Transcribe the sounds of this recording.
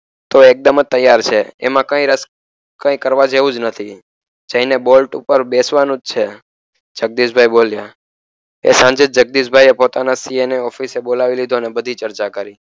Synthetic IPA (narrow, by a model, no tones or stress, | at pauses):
t̪oek̚d̪əmət̪ːəjːaɾt͡ʃʰeḛmãkə̃ĩɾəs | kə̃ĩkəɾʋad͡ʒeʋũd͡ʒnət̪ʰi | d͡ʒə̃inebolʈupəɾbesʋanũd͡ʒt͡ʃʰe | d͡ʒək̚d̪iʃbʱajbolja | ḛsãɲd͡ʒed͡ʒd͡ʒək̚d̪iʃbʱajepot̪anasieneɔfisebolaʋilid̪ʱonebəd̪ʱit͡ʃəɾt͡ʃakəɾi